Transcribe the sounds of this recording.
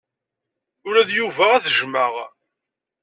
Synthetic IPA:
ʊɾæðjuvaʁæθəʒməʁ

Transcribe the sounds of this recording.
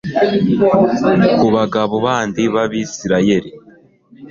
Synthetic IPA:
kuβaɡaβoβaːndiβaβiːsiɾaje̞ɾi

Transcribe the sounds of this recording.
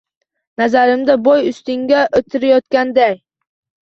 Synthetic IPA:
nazaɾɪmd̪abɒjʊst̪ɪŋʲaʔot̪ʰɪɾajɒt̪kʲand̪aj

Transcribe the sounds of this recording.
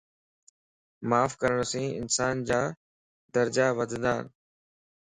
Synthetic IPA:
maːfkəɾəɽ̃sĩːɪ̰nsaːnd͡ʑaː | d̪əɾd͡ʑaːʋəd̪ʱə̃nd̪a̰ːn

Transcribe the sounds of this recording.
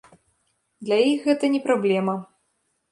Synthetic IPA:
d̪lʲajixɣɛt̪ɐnʲɛpɾablʲɛmɐ

